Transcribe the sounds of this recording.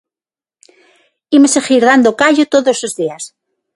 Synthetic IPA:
imosexiɾðand̪okaʎot̪oðoslozðias

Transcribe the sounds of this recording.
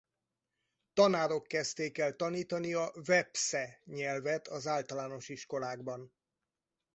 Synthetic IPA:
t̪ɒnaːɾo̞kːɛst̪eːkɛlt̪ɒniːt̪ɒniɒvɛpsɛɲɛlvɛt̪ʰɒzaːlt̪ɒlaːno̞ʃiʃko̞laːɡ̚bɒn

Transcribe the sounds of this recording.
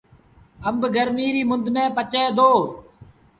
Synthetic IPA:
əmbɡəɾmiːɾiːmʊnd̪mɛ̃ːpət͡ʃeːd̪oː

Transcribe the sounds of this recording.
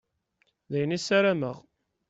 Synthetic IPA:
ðæjənisæɾæməʁ

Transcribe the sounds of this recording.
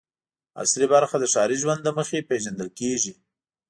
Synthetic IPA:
a̰slibaɾxad̪əʃɑɾiʒwand̪lːəməxepeʒand̪əlkeʒi

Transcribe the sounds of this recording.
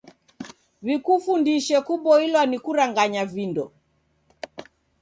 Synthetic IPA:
βikufundiʃɛkuɓɔilwanikuɾaŋɡaɲavindɔ

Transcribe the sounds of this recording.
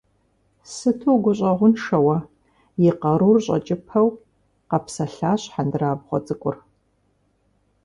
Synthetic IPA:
sɨtʰowɡʷʊɕʼɐʁʷʊnʂɐwɐ | jɪqɐɾurɕʼɐ̰t͡ʃʼɪpʰɐw | qɐpsɐɬaːɕħandɨraːbʁʷɔ̰t͡sʼɨkʷʼʊr

